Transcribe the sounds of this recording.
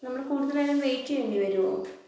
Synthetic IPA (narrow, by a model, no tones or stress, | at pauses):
nɐmːɐɽekuːɽuðɐlaːleʋejtʲːuʋe̞ːŋɡiʋɐɾuʋo̰ː